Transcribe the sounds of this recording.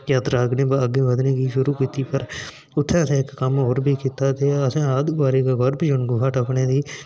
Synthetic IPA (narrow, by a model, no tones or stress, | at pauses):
jaːt̪ɾaːkʰnẽːbəɡeːʋəd̪neːkiːʃʊɾuːkiːt̪iːpəɾ | ʊt̪ʰːẽːəsẽːɪkːəmɦoːɾbʱiːkiːt̪aːt̪eːəsãːəd̪ɡaːɾiːkaːɡɔɾbd͡ʒʊɳɡʊɦəʈəpɳeːd̪iː